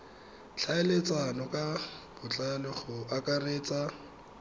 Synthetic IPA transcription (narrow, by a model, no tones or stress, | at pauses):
t͡ɬʰaɪlet͡sʼanɔkʼab̥ʊt͡ɬʼalɪχʊʔakʼareːt͡sʼa